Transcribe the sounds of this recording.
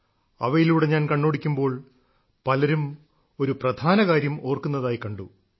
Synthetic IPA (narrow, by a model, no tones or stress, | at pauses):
ɐʋɐjiluːɽe̞ɲaːnkɐɳːoːɽikʲːumbo̞ːɭ | pɐlɐɾum | o̞ɾuprɐd̪ʱaːnɐkaːɾjɐmo̞ːrkunːɐðaːjikɐɳɖu